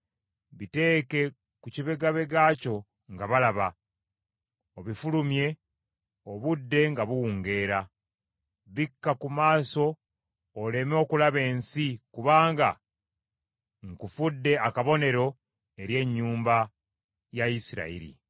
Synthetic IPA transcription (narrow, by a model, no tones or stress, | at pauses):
βite̞ːke̞ | kuciβe̞ɡaβeɡaːco̞ | ŋɡaβalaβa | oβifulumje̞ | oβudːe̞ŋɡaβuwuːŋɡe̞ːɾa | βikːakumaːso̞ː | le̞mo̞kulaβe̞ːnsikuβaːŋɡa | ŋkufudːe̞akaβo̞ne̞ɾo̞ | e̞ɾje̞ɲːuːmba | jaisiɾa̰ḭɾḭ